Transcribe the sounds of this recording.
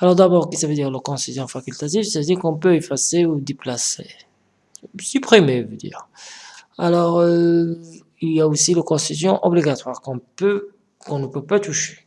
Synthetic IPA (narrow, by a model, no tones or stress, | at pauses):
alɔʁd̪abɔʁkisavəd̪iʁləkɔ̃sizjɔ̃fakʲylt̪at̪ivsavəd̪iʁkɔ̃pøefaseud̪eplasḛ | sypχimevød̪ḭːʁ | alɔʁø | iljaosiləkɔ̃sizjɔ̃ʔɔ̰bliɡat̪waʁkɔ̃pø | kɔ̃nəpøpat̪uʃe̥